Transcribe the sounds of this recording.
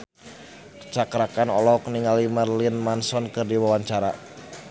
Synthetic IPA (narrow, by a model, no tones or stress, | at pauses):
kə̥t͡ʃakɾakanɔlɔkniŋalimərlinmansɔnkərdiwawaɲt͡ʃaɾa